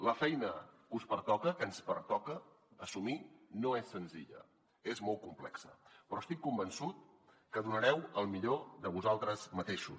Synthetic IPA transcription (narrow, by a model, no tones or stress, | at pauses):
ləfɛjnəkuspəɾt̪ɔkəkənspəɾt̪ɔkəː | suminoesːənziʎə̰ | ezmɔl̚ˠkumplɛksə̰pɾɔəst̪ikːumbənsut̪̚ | kəðunəɾɛwəlˠmiʎoðəβuzalˠt̪ɾəzmət̪eʃu